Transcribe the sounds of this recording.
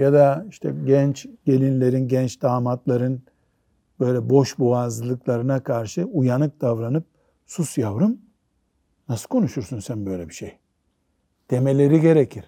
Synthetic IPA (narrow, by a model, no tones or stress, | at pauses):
jad̪aiʃt̪ʰɛ̰ɟɛnt͡ʃɟ̥e̞lʲinlʲe̞ɾinɟɛnt͡ʃd̪aːmat̪lˠaɾɯn | b̥ø̞jlʲɛbo̞ʃbuaːzɯlˠɯklˠaɾɯnakʰaɾʃɯujanɯk̚d̪̥avɾanɯp̚ | susjavɾɯm | nasɯ̥kʰo̞nuʃuɾsunsænbø̞jlʲɛbiʃej | t̪ʰemelʲe̞ɾiɟe̞ɾecʰiɾ̥